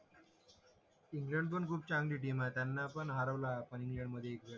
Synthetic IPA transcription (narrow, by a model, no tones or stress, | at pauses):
iŋɡleɳɖbənkʰuːp̚t͡ɕãŋɡliːʈ̬imat̪janːapəɳɦaɾəʋlaːpəɳiŋɡleɳɖməd̪ʱːjeːkʋela